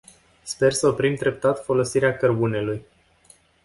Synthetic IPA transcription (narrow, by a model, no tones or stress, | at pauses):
spe̞rsəopɾimd̪ɾe̞p̚t̪at̪fo̞lo̞siɾeakərbune̞luj